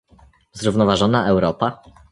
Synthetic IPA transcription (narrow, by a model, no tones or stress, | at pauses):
zɾuvnɔvaʐɔnaʔɛwɾɔpa